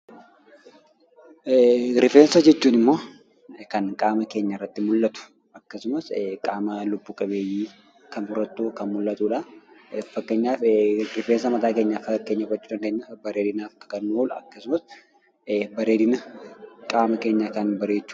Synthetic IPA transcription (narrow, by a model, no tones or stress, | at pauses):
ɾɪfe̞ːnsɐd͡ʒɛt͡ʃːuːnɪmːo̞ː | kɐnkʼaːmɐke̞ːɲːɐrːɐt̪ːɪmʊlːɐt̪ʊ̥ | ɐkːɐsʊmɐskʼaːmɐlʊbːuːkʼɐbe̞ːjiː | kɐnbʊɾɐt̪ːuːkɐnmʊlːɐt̪ʼuːᶑɐ | fɐkːeɲːaːfɾɪfe̞ːnsɐmɐt̪aːke̞ːɲːafɐkːeːɲːɐkɐt͡ʃːuːᶑɐnɡ̪eːɲːabɐɾeːd̪ɪnaːfkɐ̥kɐnːoːlɐ̰kːɐsʊmɐs | bɐɾe̞ːd̪ɪnɐkʼaːmɐke̞ːɲːɐkɐnbɐɾe̞ːt͡ʃːu̥ː